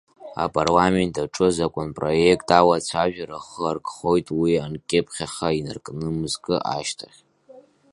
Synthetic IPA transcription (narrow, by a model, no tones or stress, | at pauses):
a̰pʼarlame̞ntʰʼaʈ͡ʂʼɨzakʷʼʊnpʼro̞jekʼtʼawat͡ɕʷʰaʒᶣaɾaχərkʼχo̞jtʼwiankʲʼɪpʰʼχʲaχʲaina̰rkʼnɨmɨzkʼɨʔa̰ʃtʰaχʲ